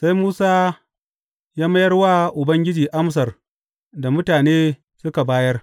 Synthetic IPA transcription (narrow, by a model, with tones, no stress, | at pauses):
sa˦jmuː˦saː˦ | jaː˦mɐ˦jɐ˦rwaː˦ʔʊ˨bɐ˦ŋɡʲɪ˦d͡ʒiː˨ʔa˦ms̬ɐ˨r | da˨mʊ˦taː˨neː˦ | sʊ˦ka˨baː˦jɐ˦r